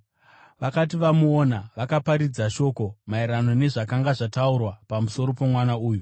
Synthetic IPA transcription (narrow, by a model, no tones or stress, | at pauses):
ʋakat̬iʋamuonaʋakapaɾid͡zaʃo̞ːko̞maiɾano̞ne̞ʐakaŋɡaʐataurwapamuso̞ɾo̞pemwanauːju